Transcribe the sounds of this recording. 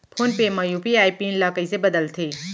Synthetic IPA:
pʰoːnpemɐjupiaːipiːnlaːkəisebɐd̪əlt̪ʰeː

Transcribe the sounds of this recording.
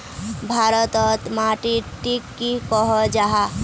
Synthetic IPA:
bʱaɾət̪ɔt̪maʈiʈikːikɔɦɔd͡ʒaɦa

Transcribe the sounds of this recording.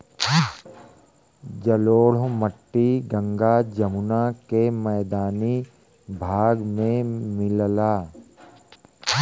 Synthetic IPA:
d͡ʒəloːɽ̤məʈːiɡə̃ŋɡad͡ʒəmʊnakemɛːd̪aːni | bʱaːɡmẽmɪllaː

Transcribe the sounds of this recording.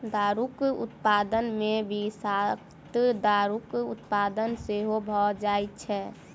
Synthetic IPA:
d̪aɾukṵt̪pad̪ənmebʱisak | t̪d̪aɾukut̪pad̪ənseɦobʱɔd͡ʒajt̪̚t͡ʃʰɛ

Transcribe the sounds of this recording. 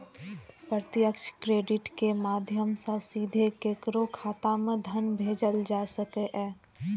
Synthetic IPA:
pɾɾət̪ɪjəkʃkɾeːɖɪʈkemaːd̪ʱjəmsə̃siːd̪ʱekeːkɾokʰaːt̪amẽd̪ʱənbʱeːd͡ʒəld͡ʒaːsəkeʔɛː

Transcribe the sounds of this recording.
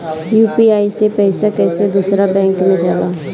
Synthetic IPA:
juːpiaːisepɛːsakɛːsed̪usɾabɛ̃ːŋkmẽd͡ʒaːlaː

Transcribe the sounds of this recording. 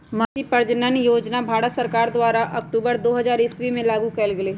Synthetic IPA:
maːtipɐɾd͡ʒnənjoːd͡ʒnabʱaːɽət̪sɐɾkaːɾd̪waːɾaʔɐkʈuːbəɾd̪oːɦɐzaːɾɪswimẽlaːɡukɛːlɡəleː

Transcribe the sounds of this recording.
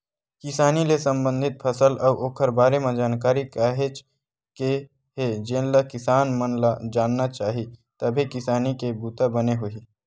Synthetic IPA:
kɪsaːnilesə̃mbə̃nd̪ʱɪt̪̚pʰəsəlɐːʔoːkʰəɾbaːɾemed͡ʒaːnkaːɾikaːɦet͡ʃ | ke | ɦed͡ʒẽːnləkɪsaːnmənd͡ʒaːnːat͡ʃaːɦit̪əbʱikɪsaːnikebuːt̪abəneɦoiː

